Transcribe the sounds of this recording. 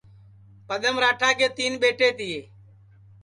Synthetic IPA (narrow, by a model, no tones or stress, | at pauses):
pəɗ̪əmɾaːʈʰaːkeːt̪iːnɓeːʈeːt̪ɪjeː